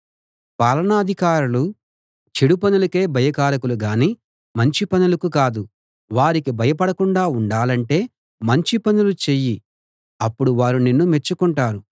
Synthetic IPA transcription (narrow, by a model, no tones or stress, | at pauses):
paːlɐɳaːd̪ʱikaːɾulu | t͡ʃeɽupɐnulɐke̞ːbʱɐjɐkaːɾɐkuluɡaːniː | mɐɲt͡ʃipɐnulɐkukaːd̪u | ʋaːɾikibʱɐjɐpɐɽɐkuɳɖaːuɳɖaːlɐɳʈe̞ː | mɐɲt͡ʃipɐnulut͡ʃe̞ji | ɐpːuɽuʋaːɾunenːume̞t͡ʃːukuɳʈaːɾu